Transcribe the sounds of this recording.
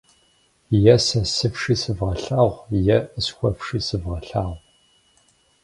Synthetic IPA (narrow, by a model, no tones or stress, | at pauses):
jɛsɐsɨfʂisɨvʁɐɬaːʁʷjɛsxʷɔfʂiːsɨvʁɐɬaːʁʷ